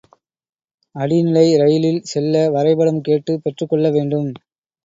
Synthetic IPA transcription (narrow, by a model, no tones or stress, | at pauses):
ɐɽinɪlɐɪɾɐjɪlɪlsɛlːɐʋɐɾɐɪbɐɽɐmkeːʈːɯpɛʈrɯkːɔɭːɐʋeːɳɖɯm